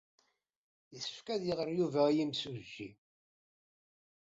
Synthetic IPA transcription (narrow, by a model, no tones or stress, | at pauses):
jiθə̥fkæðjəʁəɾjuvæjimsuʒːi